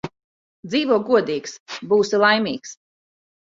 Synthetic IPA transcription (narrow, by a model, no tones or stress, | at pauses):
d̪ziːvuɔɡuɔd̪iːksbuːsilˠajmʲiːks